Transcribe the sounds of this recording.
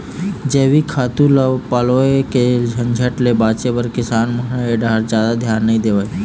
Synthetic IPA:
d͡ʒeːʋikʰaːt̪ũləʋpaːloeked͡ʒʱə̃nd͡ʒʱəʈlebaːt͡ʃebəɾkɪsaːnməɦɳəeɖaːɾd͡ʒjaːd̪ad̪ʱjaːnːəĩd̪eːʋəj

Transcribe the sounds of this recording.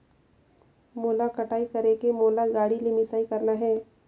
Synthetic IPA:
moːlakɐʈaːikɐɾekemoːlaɡaːɽilimɪsaːikɐɾnaɦɛː

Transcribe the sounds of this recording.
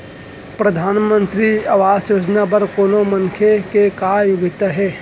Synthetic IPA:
pɾəd̪ʱaːnmə̃nt̪ɾiɐʋaːsjoːd͡ʒnabɐɾkoːnoməŋkʰjekekaːjʊɡɪt̪aɦɛː

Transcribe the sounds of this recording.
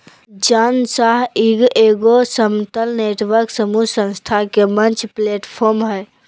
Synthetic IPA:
d͡ʒansaɦiɡeɡosəmt̪əlneʈʋəɾksəmusə̃nst̪ʰakemənt͡ʃʰpleʈpʰoɾmɦəj

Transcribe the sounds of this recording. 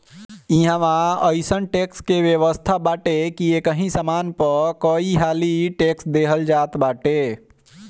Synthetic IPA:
iɦãʋãəjsənʈekskebjeʋəst̪ʰabaʈekiekəɦĩsamanpəkəiɦaliʈeksd̪eɦəld͡ʒat̪baʈe

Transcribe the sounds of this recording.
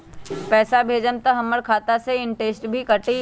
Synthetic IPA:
pɛːsabʱeːd͡ʒənt̪əɦɐməɽkʰaːt̪aseɪɳʈeːsʈbʱikɐʈi

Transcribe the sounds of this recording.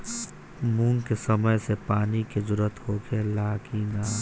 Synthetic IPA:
muːŋkesəməjsepaːniked͡ʒʊɾət̪ɦoːɡʰelaːkinaː

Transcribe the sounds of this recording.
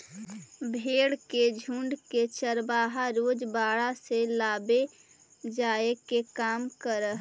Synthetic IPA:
bʱeːɽked͡ʒʱũɳɖket͡ʃəɾbaːɦaɾoːd͡ʒbaːɽaselaːbe | d͡ʒaːekekaːmkəɾəɦ

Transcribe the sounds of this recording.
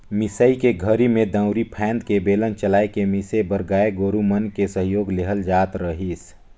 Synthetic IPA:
mɪsəikeɡʱəɾimẽd̪ə̃ʊɾipʰɛ̃ːnd̪kebeːlənt͡ʃəlaːekemɪsebəɾɡaːeɡoːɾumənkesəɦjoːɡleɦəld͡ʒaːt̪ɾəɦis

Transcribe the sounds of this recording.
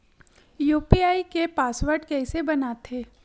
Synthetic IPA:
juːpiaːikepaːsʋəɾɖkɛɪsebɐnaːt̪ʰeː

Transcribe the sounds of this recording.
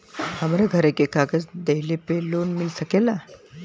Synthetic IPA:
hamaɾaɡʱəɾekekaɡəsd̪eɦilepelonmilsəkela

